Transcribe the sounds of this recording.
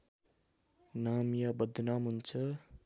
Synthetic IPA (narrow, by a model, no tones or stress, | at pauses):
namjabʌd̪ʱnamɦunt͡sʰʌ